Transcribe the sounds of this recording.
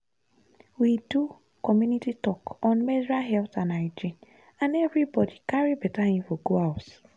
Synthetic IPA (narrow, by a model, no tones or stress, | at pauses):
widu | kɔmjunititɔkɔ̃nmɛdɹaɦɛltãnaɪd͡ʒĩn | ãnɛvɹibɔdikaɹibɛtaĩfɔɡoaʊt